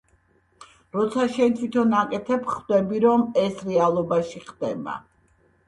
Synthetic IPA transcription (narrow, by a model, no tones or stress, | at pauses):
ɾɔt̪sʰaʃɛnt̪ʰwit̪ʰɔnakʼɛt̪ʰɛpχvd̪ɛbiɾɔmɛsɾɛalˠɔbaʃiχd̪̥ɛba̰